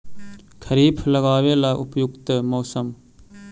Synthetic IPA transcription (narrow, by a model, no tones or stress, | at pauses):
kʰəɾiːbʰləɡaːʋeːlaːʔʊpjʊkt̪moːsəm